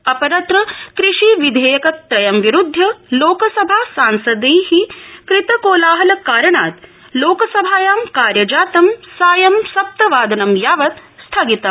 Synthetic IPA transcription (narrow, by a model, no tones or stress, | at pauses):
ɐpɐɾɐt̪ɾɐkɾiʂiʋid̪ʱeːjɐkɐt̪ɾɐjɐmʋiɾud̪ʱjɐloːkɐsɐbʱaːsaːnsɐd̪iːhikɾɪt̪ɐkoːlaːɦɐlɐkaːɾɐɳaːt̪ | loːkɐsɐbʱaːjaːmkaːɾjɐd͡ʒaːt̪ɐmsaːjɐmsɐp̚t̪ɐʋaːd̪ɐnɐmjaːʋɐt̪st̪ʰɐɡit̪ɐ